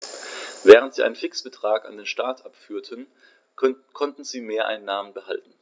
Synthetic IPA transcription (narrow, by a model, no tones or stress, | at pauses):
vɛːʁ̞əntz̥iːa̰ɪnənfɪksb̥ətʁ̥aːka̰ndeːnʃtaɐtʔapfyːɐtʰən | kʰɔntn̩ziːmeːɐʔa̰ɪnːaːmənbəha̰ltn̩